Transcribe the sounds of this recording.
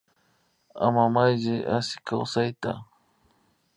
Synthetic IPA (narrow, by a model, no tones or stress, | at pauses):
a̰mamajʒɪʔasɪ̥kawsajt̪a̰